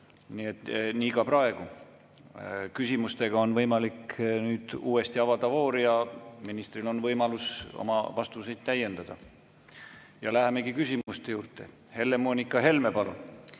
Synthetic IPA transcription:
niːe̞t̪niːkɑprɑe̞ɡ̥u | kysimust̪e̞ɡ̥ɑo̞nvɤjmɑliknyːd̪̥uːe̞st̪iɑvɑd̪̥ɑvo̞ːɾijɑminist̪ɾilo̞nvɤjmɑluso̞̰mɑ̰vɑst̪use̞jd̪̥t̪æjːe̞nd̪̥ɑd̪̥ɑ̰ | jɑlæɦeme̞ɡikysʲimust̪e̞juːrt̪ˑe̞̰ | he̞lːe̞moːnʲikːˑɑɦe̞lme̞pɑlṵn

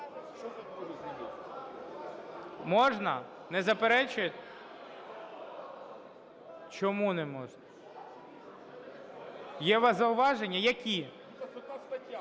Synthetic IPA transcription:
mɔʒnɐ̰ | nɛzɐpeɾɛt͡ʃʊjet̪ | t͡ʃɔmunɛmɔʒnɐ | jɛʋɐzɐʊʋɑʒenʲːɐjɐkʲʰi

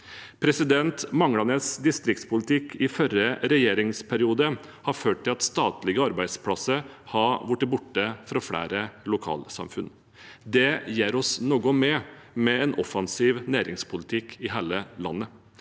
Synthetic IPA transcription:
pʰɾɛsɪd̪ɛnt̪mɑŋɽɑnəsd̪ɪst̪ɾɪk̚t̪spʊlɪt̪ʰɪkʰɪfœɾəɾɛjeːɾɪŋspʰæɾɪuːd̪əhɑɾføːʈ̚ʈ̪ʰːɪlɑt̪st̪ɑːt̪lɪɡəɑɾbæɪd̪spʰlɑsːəɾhɑʋʊʈːɪbʊʈːəfɾɑfɽæ̰ːɾəlʊkʰɑ̰ːlsɑ̰mfʉn | d̪ɛjeːɾɔsnoːɡɔmɛmɛɛnʔɔfɑnsiːʋnæːɾɪŋspʰʊlɪt̪ʰɪkʰɪɦeːləlɑ̰nːə

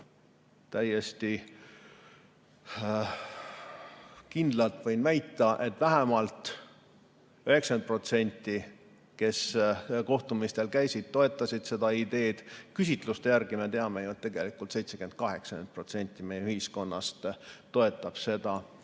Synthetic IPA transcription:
t̪æjest̪i | kind̪̥lɑlt̪ˑvɤjnvæjt̪ːˑɑʔe̞t̪ːˑvæɦemɑlt̪ˑ | øhe̞ksɑnd̪̚pro̞t̪se̞nʲt̪ːˑi | ke̞sko̞ht̪umist̪e̞lkæjsid̪̥̚t̪o̞e̞t̪ːˑɑsʲid̪̥se̞d̪̥ɑid̪e̞ːd̪̥kysʲit̪ˑlust̪ejærɡ̥ime̞t̪eɑmejut̪t̪ːeɡ̥e̞likˑult̪se̞jt̪se̞kymen̥̚kɑɦe̞ksɑnend̪̚pro̞t̪se̞nʲt̪ːˑime̞jeyhisko̞nːɑ̰st̪t̪ːo̞e̞t̪ːˑɑb̥se̞d̪̥ɑ

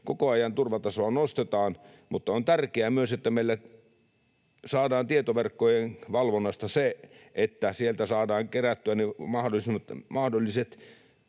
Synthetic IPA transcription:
kokoɑjɑnt̪urʋɑt̪ɑsoɑnost̪et̪ɑːn | mut̪ːɑont̪ærkeæmyøset̪ːæmeilːæ | sɑːdɑːnt̪iet̪oʋerkːojenʋɑlʋonːɑst̪ɑseʔet̪ːæsielt̪æsɑːdɑːŋkeræt̪ːyænemɑhdolismt̪mɑhdolːˑiset̪

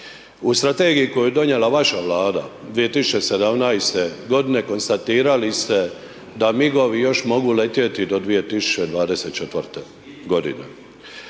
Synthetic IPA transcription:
ust̪ɾat̪e̞ːɡijiko̞jujed̪o̞ɲeːlaʋaʃaʋlaːd̪a | d̪ʋije̞t̪isu̥t͡ʃesed̪amnajst̪eɡo̞d̪ine̞ko̞nst̪at̪iːɾalist̪e | d̪amiɡo̞ʋijo̞ʃmo̞ɡule̞t̪je̞t̪id̪o̞d̪ʋije̞t̪isu̥t͡ʃed̪ʋaːd̪ese̞t̪̚t͡ʃet̪ʋəɾt̪e | ɡo̞d̪ḭnḛ

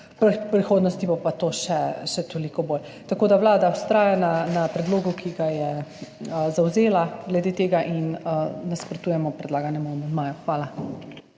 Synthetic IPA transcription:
ppɾixoːd̪nɔst̪ibɔpat̪oːʃɛʃɛt̪olikɔboːl | t̪akoːd̪awlaːd̪awst̪ɾaːjananapɾɛd̪loːɡukʰiɡajɛ | zawzeːlaɡlɛd̪eːt̪eːɡaʔinənaspɾɔt̪uːjɛmɔpɾɛd̪laːɡanjɛmɔmɛmaːjɔxʋaːla

